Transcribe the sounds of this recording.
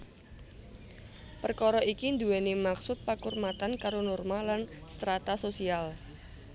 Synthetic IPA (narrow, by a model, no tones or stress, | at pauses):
pərkɔɾɔʔikind̪uwɛnimaksʊt̪̚pakurmat̪ankaɾonɔrmalanst̪ɾat̪asosial